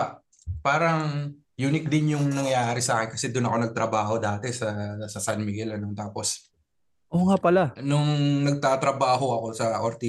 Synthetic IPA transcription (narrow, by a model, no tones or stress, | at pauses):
paːɾɐŋ | juːnɪk̚d̪ɪnjʊŋnɐŋɐjaːɾɪsɐaːkɛnkɐsɛd̪ʊnɐko̞nɐɡ̚t̪ɾɐbaːho̞d̪aːt̪ɛsɐsɐsɐnmɪɡɛlɐnot̪aːpo̞s | ʔoːŋapɐlanʊŋnɐɡ̚t̪aːt̪ɾɐbaːho̞ɐko̞sɐʔoɾt̪i